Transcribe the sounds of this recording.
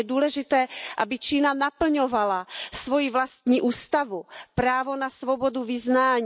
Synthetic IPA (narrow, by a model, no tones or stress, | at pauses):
ɛduːlɛʒɪt̪ɛːʔabɪt͡ʃiːnanapl̩ɲovalasvojivlast̪ɲiːʔuːst̪avupɾaːvo̞nasvoboduvɪznaːɲ